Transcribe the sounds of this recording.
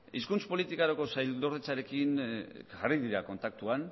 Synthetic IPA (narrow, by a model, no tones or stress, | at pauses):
iskunt͡spo̞lit̪ikaɾoko̞sajld̪o̞ɾðet͡saɾe̞kinʝariðiɾako̞nt̪ak̚t̪uan